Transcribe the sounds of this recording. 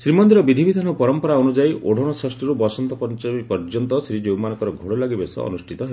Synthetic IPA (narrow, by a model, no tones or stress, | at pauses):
sɾimɔnd̪iɾɔbid̪ʱibid̪ʱanɔpɔɾɔmpɔɾaɔnud͡ʒajʔoɽ̤ʱɔɽ̃ɔsɾesʈɔɾubɔsɔnt̪ɔpɔnt͡ʃɔipɔɾd͡ʒɔnt̪ɔsɾid͡ʒowmanɔkɔɾɔɡʱoɽɔlaɡibesɔ̰ɔ̰nusʈʰit̪ɔɦeɔ